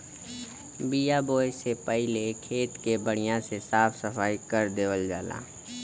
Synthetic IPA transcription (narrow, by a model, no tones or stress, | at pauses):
bijaboːjesepɛɦɪlekʰeːt̪kebəɽ̃ɪjãsesaːpʰsəfʰaːikəɾd̪eːʋəld͡ʒaːla̰ː